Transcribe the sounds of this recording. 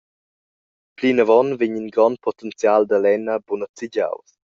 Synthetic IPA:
plinəvɔnviɲinɡɾɔnpʰɔt̪ɛnt͡sjald̪alɛnəbunət͡siɟa̰ws

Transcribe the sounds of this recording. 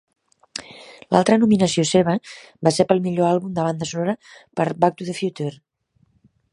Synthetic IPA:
la̰lˠt̪ɾənuminəsioseβ̞ə | basepəlˠmiʎoalˠβumd̪əβand̪əsunoɾəpəɾbak̚t̪uðəfjut̪eɾ

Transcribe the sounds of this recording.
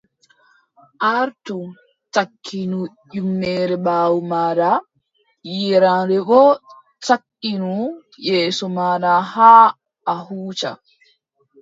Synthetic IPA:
ʔaɾtu | takʰːinu | ʄumːɛːɾɛbaːwumaːɾa | jiɾanɾɛɡɔ | takːinu | jɛːsɔmaːdahaː | ʔːhuːt͡ʃa̰

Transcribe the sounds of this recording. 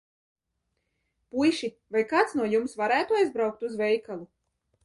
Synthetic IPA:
pujʃi | vajkaːt̪snuɔjumsvaɾæːt̪uajzbɾawk̚t̪uzvɛjkalˠu

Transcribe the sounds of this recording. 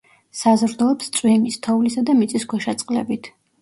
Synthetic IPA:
sazɾd̪ɔɔpst̪sʼwimist̪ʰɔuvlisad̪amit̪sʼiskʰɔʃat̪sʼqʼlɛ̰bit̪ʰ

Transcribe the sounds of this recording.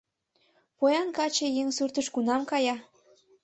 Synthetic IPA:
pojɑnkɑt͡ɕejeŋsyrt̪əʃkunɑmkɑjɑ

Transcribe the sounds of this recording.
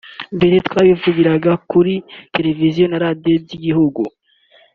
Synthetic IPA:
mbiɾit̪waːβivuɡiɾaɡakuɾite̞ɾe̞vizijo̞naɾadijo̞bɟiɡihuɡṵ

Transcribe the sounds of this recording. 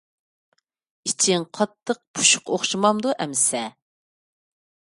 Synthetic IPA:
it͡ʃʰiŋqʰɑt̪ʰːəq̚pʰu̥ʃʊ̥qoχʃɨmɑmd̪uʔɛmɪsɛ

